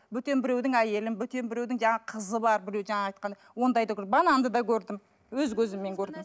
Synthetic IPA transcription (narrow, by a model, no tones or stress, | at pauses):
bʏt̪e̞nbɪɾe̞wd̪ɪŋæje̞lɪmbʏt̪e̞nbɪɾe̞wd̪ɪŋʒɑɴɑqʰəzəβɑɾbɪɾe̞wʒɑɴɑɑjt̪qɑnd̪ɑwo̞nd̪ɑjd̪ɑkʰɾbɑnɑnd̪əd̪ɑkʲʰɵɾd̪ɪm | wɵzkʲʰɵzɪmːe̞ŋkʲʰɵɾd̪m